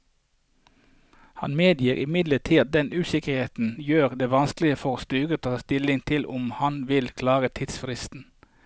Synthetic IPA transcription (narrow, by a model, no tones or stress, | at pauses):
hɑ̰nmeːd̪jiːʁʔɪ̰mɪd̪ləʈʰiːd̪̚d̪ɛnʔʉːsɪkəʁheːt̪n̩jøːʁd̪eːʋɑnsklɪəfɔʁst̪yːʁət̪ʰɑːst̪ɪlɪŋt̪ʰɪlʔʊmhɑnʋɪlkʰlɑːʁət̪ʰɪd̪̥sfɾɪst̪n̩